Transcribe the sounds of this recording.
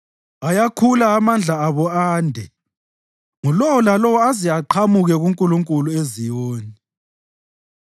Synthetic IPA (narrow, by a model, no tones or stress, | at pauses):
ajakʰulaːmand͡ɮʱaːβɔaːndʱɛ | ŋulɔwɔlalɔwɔaziaǃʰamuɣɛɣuŋkʼuluŋkʼuluezijoːni